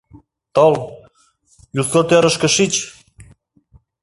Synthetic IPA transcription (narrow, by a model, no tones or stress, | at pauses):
t̪ol | juslɤt̪øɾə̆ʃkə̆ʃit͡ɕ